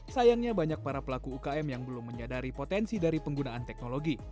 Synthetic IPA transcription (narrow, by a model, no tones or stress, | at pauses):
sajaŋɲabaɲak̚paɾapəlakuːkaɛmjaŋbəlʊmːəɲadaɾipot̪ɛnsidaɾipəŋɡunaant̪ɛk̚noloɡi